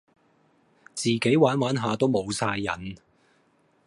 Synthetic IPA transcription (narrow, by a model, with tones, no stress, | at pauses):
t͡siː˨ke˨˥jwaː˨˥nwaː˨˥nɦaː˨˧t̪o˥wmo˨˧wsaː˧jːɐ̰˨˩n